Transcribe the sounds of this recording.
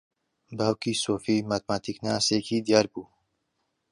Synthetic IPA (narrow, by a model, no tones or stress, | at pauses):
bawkiːsoːfiːmaːt̪̚maːt̪ʰiknaːseːkʰiːd̪ijaːɾbuː